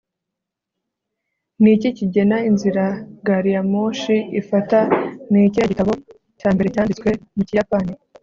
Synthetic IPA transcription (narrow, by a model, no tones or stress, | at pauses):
niciciɟe̞nainziɾaɡaɾijamoʃiifataniciaɟitaβo̞ | caːmbe̞ɾecaːndit͡skwe̞mucijapani